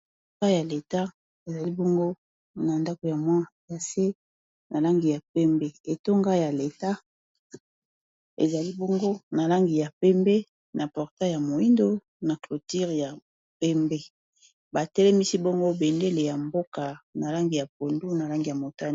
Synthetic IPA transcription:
ŋɡa˦ja˨le˨ta˦ | e˨za˨li˦bɔ˦ŋɡo˦ | na˨nda˦ko˨ja˨mwa˦˨ja˨se˦ | nʔa˨la˦ŋɡi˨ja˨pɛ˦mbɛ˦e˨to˦ŋɡa˦ja˨le˨ta˦ | ḛ˨za˨li˦bɔ˦ŋɡo˦na˨la˦ŋɡi˨ja˨pɛ˦mbɛ˦ | na˨pɔ˨ʁta˦ja˨mo˨i˦ndo˦ | na˨klo˨ti˦ʁja˨ | pɛ˦mbɛ˦ | ba˨tɛ˦lɛ˦mi˦si˦bo˦ŋɡo˦be˨nde˦le˨ja˨mbo˦ka˨na˨la˦ŋɡi˨ja˨p̚o˨ndu˦na˨la˦ŋɡi˨ja˨mo˨ta˦

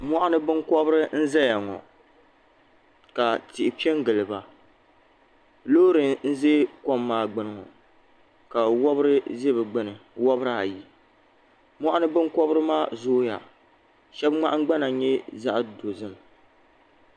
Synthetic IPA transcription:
mɔ˦ʔa˦nɨ˦bɨ˦ŋkɔ˦bɨ˦ɾɨ˦n̩˦zɛ˦ja˨ŋɔ̰˨ | ka˨tɪ˨ʔɪ˨pi˦ɛ˦ŋ˦ɡɨ˨lɨ˨ba˨ | loː˦ɾɨ˨n̩˦ze˦kɔ˦mːaː˦ɡ͡bɨ˦nɨ˨ŋɔ̰˨ | ka˨wɔ˦bɨ˦ɾɨ˦ze˦bɨ˨ɡ͡bɨ˦nɨ˨wɔ˦bɨ˦ɾa˨ji˨ | mɔ˦ʔa˦nɨ˦bɨ˦ŋkɔ˦bɨ˦ɾɨ˦maː˦zoː˦ja̰˨ | ʃɛ˦bŋ͡ma̰˦ʔa˦ɡ͡ba˦na˨˦ɲɛ˦za˦ʔdo˨zɨ˦m˨

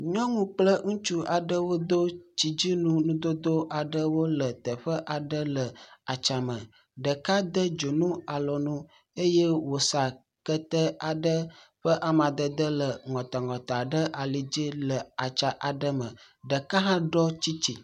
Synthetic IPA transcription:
ɲɔ̃˦ŋũ˦k͡plə˦ŋũ˦t͡ʃu˦a˨ɖə˦wo˦d̪o˦t͡ʃi˨d͡ʑi˦nũ˦nũ˦d̪o˦d̪o˦ʔa˨ɖə˦wo˦lə˨t̪ə˨ɸə˦ʔa˨ɖə˦lə˨a˨t͡ʃa˨mə̃˨ | ɖə˨ka˦d̪ə˦d͡ʒo˨nũ˦a˨lɔ˨nũ˦ | e˦je˦wo˨sa˨ | kə˦t̪ə˦a˨ɖə˦ɸə˦ʔa˨mã˨d̪ə˨d̪ə˦lə˨ŋɔ̃˨t̪a˨ŋɔ̃˨t̪a˨ɖə˦ʔa˨li˨d͡ʑi˦lə˨a˨t͡ʃa˨ʔa˨ɖə˦mə̰̃˨ | ɖə˨ka˦ɦã˦ɖɔ˦t͡ɕi˦t͡ɕi˨

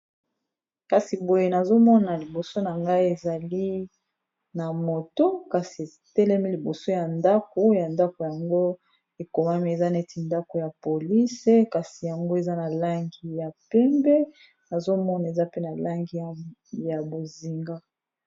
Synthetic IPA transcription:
ka˨si˨bo˨je˦na˨zo˦mɔ˦na˨li˨bo˨so˦na˨ŋɡa˦i˦e˨za˨li˦ | na˨mo˨to˦ka˨si˨e˨ | tɛ˦lɛ˦mi˦li˨bo˨so˦ja˨nda˦ko˦ja˨nda˦ko˨ja˨ŋɡo˦ | e˨ko˨ma˦mi˦e˨za˦nɛ˦ti˨nda˦ko˨ja˨po˨li˦se˦ka˨si˨ja˨ŋɡo˦e˨za˦na˨la˦ŋɡi˨ja˨pɛ˦mbɛ˦ | na˨zo˦mɔ˦na˨e˨za˦pe˦na˨la˦ŋɡi˦a˨ja˨bo˨zi˨ŋɡa˦

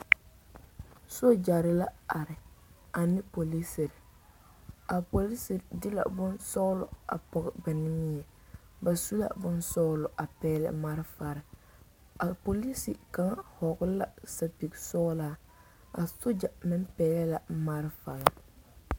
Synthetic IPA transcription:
so˦d͡ʒa˨ɾɪ˦la˦a˨ɾɪ˨a˨nɪ˦po˨li˦sɪ˨ɾɪ˨ | a˨po˨li˦sɪ˨ɾdɪ˦la̰˨bʊ˦nsɔ˦lʊ˨a̰˨pɔ˨ɣɪ˨ba˨nɪ˦mi˦ɛ˨ | ba˨su˦la̰˨bʊ˦nsɔ˦lʊ˨ʔa˨pɛː˦lɪ̰˦ma˦ɾɪ˦fa˨ɾɪ˨ | a˨po˨li˦si˨ka˦ŋ˦hɔ˨ɡʊ˦la˦sa˦pi˨ɡsɔ˦laː˦ | a˨so˦d͡ʒa˨mɪ˦mpɛː˦lɛ˦la˨ma˦ɾɪ˦fa˨la˨

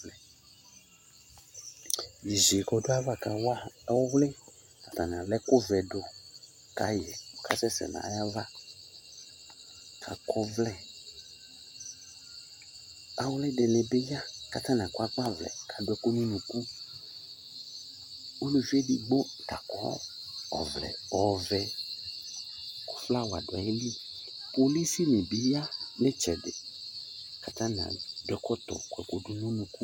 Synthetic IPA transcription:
lɛ˨ | ji˨ze˨kɔ˨do˦a˦va˦ka˨wa˦wo˦wlɛ˦ | ka˨t̪ã˨n˨ã˨lɛ˦ko˦vɛ˨do˨ | ka̰˨jɛ˨o˨ka̰˦sɛ˦sɛ̰˨nã̰˨˦ja˦va˦ | kʰa̰˨kɔ˨˦vlɛ˨ | a˨wlɛ˦ɖɛ˨nɛ̃˨be˦ja˦ka˨t̪ã˦nã˨kwa˦k͡pa˦vlɛ̰˨kʰa˨ɖʊ˦ɛ˦ko˦nũ˦nũ˨ku˦ | o˦lo˨vi˦ɛ˦di˨ɡ͡bɔ˦ | t̪a˨kɔ̰˦ | ɔ̰˨vlɛ̰˨ɔ˨vɛ˨ | kɔ̥˦fla˦wa˨ɖo˨a̰˨je˦li˦ | po˨li˦si˦mĩ˨bi˦ja˦le˦t͡ʃɛ˨ɖḛ˨ | ka˨t̪ã˦nã̰˨dʊ˨ɛ˦kɔ˦t̪ɔ̰˨kwɛ˨ko˨ɖu˦nũ˦nũ˨ku˦

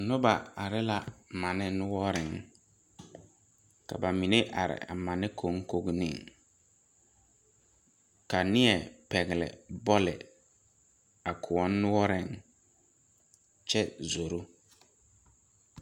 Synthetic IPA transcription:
nʊ˦ba˨a˨ɾɪ˦la˨mã˨nɪ̃˦nʊ˦wɔ˦ɾɪ̃˨ŋ | ka̰˨ba˨mĩ˨nɪ˦ʔa̰˨ɾɪ̰˨a̰˨mã˨nɪ̃˦kʰo˨˦ŋ˦ko˦ɡnɪ̰̃˦˨ŋ | ka˨nɪ̃˦ɛ˨pɛ˨ɣɪ˨lɪ̰˨bɔ˦lɪ̰˨ | a˨kʰʊ˨ɔ˦nː˦ʊ˦wɔ˦ɾɪ̃˦˨ŋ | t͡ʃɛ˦zo˨ɾu˦

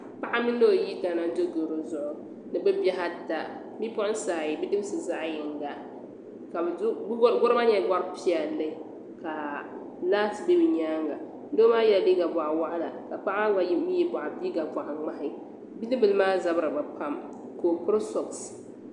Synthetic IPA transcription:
pa˦ʔa˦mi˦n˦o˦˨ji˦ta˨na˦n˦do˦ɡo˨ɾo˨zʊ˦ʔʊ˦ | nɨ˨bɨ˦bjɛ˦ɦa˦ta˨ | mi˦pʊ˦ʔʊ˦n˦saː˨ji˨bi˦dɨ˦m˦sɨ˨za˦ʔjɪ˨ŋɡa˨ | ka˨˦ɡʊ˦ɾɨ˦ma˦ɲɛ˨˦ɡa˦ɾpi˦ɛ˨lːɨ˦ | ka˨ | laː˦tbɛ˦bɨ˨ɲaː˦ŋɡa˨ | n̩˦do˦maː˦jɛ˦la˨bi˦ɡa˨ba˨ʔa˨wa˦ʔa˦la˨ka˨pa˦ʔa˦a˦mi˦ji˦ba˨ʔa˨bi˦ɡa˨ba˨ʔa˨ŋ͡ma˦hɪ˦˨ | bi˦lɨ˦bɨ˨lmaː˦za˦bɨ˦ɾɨ˨ba˨pa˦m | ko˨kɨ˦ɾsɔ˨ks

